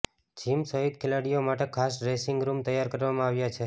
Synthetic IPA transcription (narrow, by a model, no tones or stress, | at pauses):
d͡ʒʱimsəɦid̪̚kʰelaɽijomaʈekʰasɾesɪŋɡɾumt̪əjːaɾkəɾʋamãaʋjat͡ʃʰe